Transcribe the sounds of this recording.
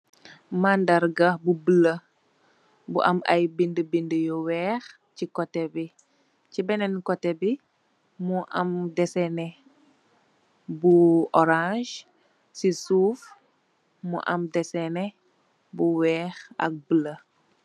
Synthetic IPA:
mandɐɾɡɐbubələ | buʔɐmɐ̰jbindəbindəjɔwɛːx | cikɔtɛbi | cibɛnɛnkɔtɛbi | muʔɐ̰mdɛsɛnɛ | buʔɔɾãʒ | sisuːf | mṵʔɐmdɛsɛnɛ | buwɛːxɐ̰k̚bələ

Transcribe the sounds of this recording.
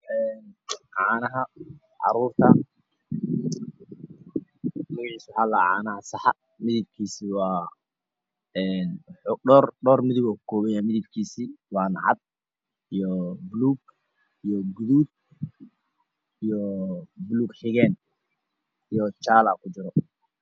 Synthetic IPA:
ʔɛːnʕɑːnɐɦɐ | ʕɑ̰ɾuːrt̪ʰɐ | mɪɣʕiːswʊħala̰ːʕa̰ːnɐhɐsɑħɑ | mɪðɪb̚kʰiːsiːwɑː | ɛːnħɖɔːrɖɔːrmɪðʊɣɔkʊ̥kʰɔːβɛjaːmɪðɪbkʰiːsiːwɑːnʕɑ̰d̪̚ | ijɔbluːɡ | ijɔɡʊðuːd̪̚ | ijɔbluːɡħɪɣɛːn | ijɔt͡ʃaːlaːkʰʊt͡ʃɪɾɔ

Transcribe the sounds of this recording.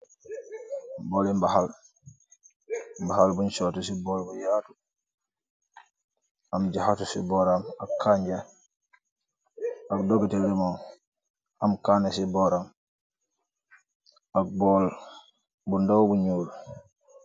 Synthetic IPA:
boːlimbahal | mbahalbunt͡ʃoːtusiboːlbujaːtu | amd͡ʒahatusḭboɾamakʰːaɲɟa | akdoɡitildimo | amkaːnesiboɾam | ak̚bol | bundowbuɲuːl

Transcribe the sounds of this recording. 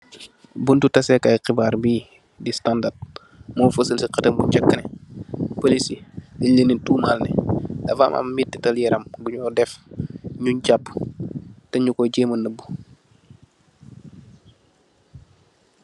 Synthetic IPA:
buntutɐsɛkɐjqibaːrbiː | distandat̚ | mɔfəsəlsiqɐtəmbuɲd͡ʒɐkːənɛpolisilələnituːmaːlnɛ̰dɐfaːmʔɐ̰mmitːitɐljɛɾɐmɡuɲɔdɛfɲuɲɟapː | tɛɲukɔɟeːmənːəbːu

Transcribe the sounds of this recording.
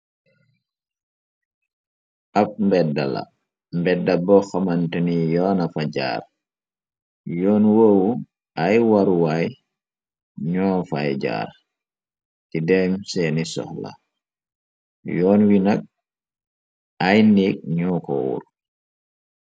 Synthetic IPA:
ʔap̚mbɛda̰la̰ | mbɛdːabɔxamantənijɔːnafad͡ʒa̰ːɾ | jɔːnwoːwu | ʔajwaɾuwaj | ɲɔːfajd͡ʒa̰ːɾ | tidɛmsɛnisɔ̰xla̰ | jɔːnwinak̚ | ajniːk̚ɲɔːkɔ̰wṵɾ

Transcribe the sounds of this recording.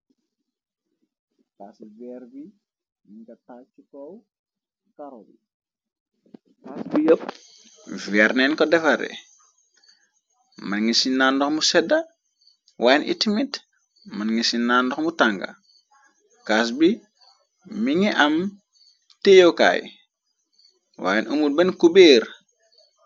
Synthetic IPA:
kasvɛɾbi | miŋɡɐtat͡ʃikɔw | kaɾobi | kasbijəp̚ | vɛɾnɛnkɔdɛfɐɾɛ̰ | mɐnŋisinandɔxmusɛdɐ | waːjɛnʔḭtimit | mɐnŋisinːandɔxmutaŋɡɐ̰ | kas̬biː | iŋiʔɐm | tejoka̰j | wa̰ːjɛnʔumut̚bɐnkubeːr

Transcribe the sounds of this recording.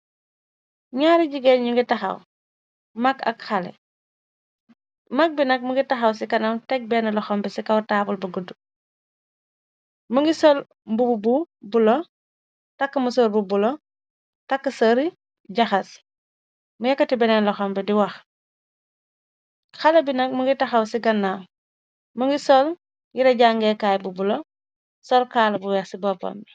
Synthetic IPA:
ɲaːɾiɟiɡɛnɲuŋɡitɐxɐ̰w | mɐkɐ̰kxɐlɛ̰ | mɐk̚binɐk̚muŋɡitɐxɐws̬ikɐnɐmtɛk̚bɛnɐlɔxɔmbɛsikɐwtaːpulbɐɡudːu | məŋɡisol | mbubububulɔ | tɐkːəmusolbubulɔ | tɐkːɐsoɾi | ɟɐxɐs | mujɐkːɐtibɛnɛnlɐxɔmbɛdiwɐx | xɐlɐbinɐk̚muŋɡitɐxɐwsiɡɐnːa | muŋɡisɔl | jiɾɐɟaŋɡɛkaːjbubulo | sɔlkaːlɐbuwɛːxsibɔpo̰mbi

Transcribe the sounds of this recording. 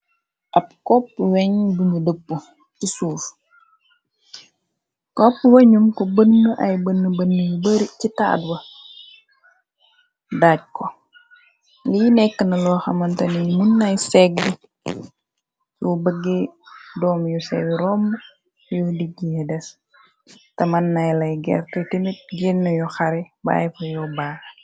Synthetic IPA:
ʔɐp̚kɔpːwɛɲbuɲudəpːu | cisuːf | kɔpːweɲumkobənːəʔɐjbənːəbənːjubəɾicita̰ːdwɐ | daɟ̚ko | linɛkːənɐlɔːxɐmɐntɐnimunːɐjsɛɡ̚di | jubəɡedɔːmjusɛ̰ɡiɾɔm | judiɡːihɛdɛs | tɐmɐnːɐjlɐjɡɛ̰rtɐtimit̚ɡinːujɔxɐɾiba̰jfɐjɔbaɾ

